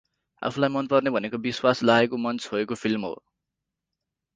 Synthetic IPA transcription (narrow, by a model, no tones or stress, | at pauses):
a̰pʰulajmʌnpʌrnebʱʌnekobiswaslaekomʌnt͡sɦoekopʰilmɦo̰